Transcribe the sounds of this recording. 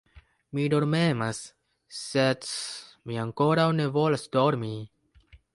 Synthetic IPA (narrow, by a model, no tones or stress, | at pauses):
mido̞ɾmemasː | edmiaŋko̞ɾawne̞vo̞lasdoɾmi